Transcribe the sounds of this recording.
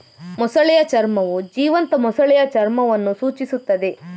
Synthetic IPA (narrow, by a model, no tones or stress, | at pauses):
mɔsɐɭɛjɐt͡ʃɐɾmɐʋud͡ʒiːʋɐnt̪ɐmɔsɐɭɛjɐt͡ʃɐɾmɐʋɐnːusuːt͡ʃisut̪ːɐd̪e̞